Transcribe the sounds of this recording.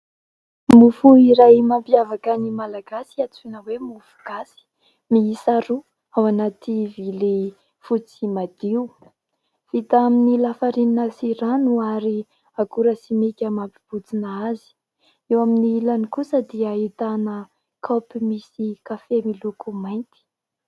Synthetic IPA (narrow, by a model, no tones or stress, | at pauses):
mufuiɾajmampiavakanimalaɡasiat͡sunəwemufu̥ɡ̥asi̥ | miːsaɾu | awanat̪ivile | fut͡simad̪̥iu | v̥it̪aaminilafaɾininəsiɾanuaɾi | akuɾəsimekʲəmapiv̥ut͡sinaazi̥ | ewaminiilanikusəd̪iəit̪anə | kʰapimisikafemilukumajnt̪i̥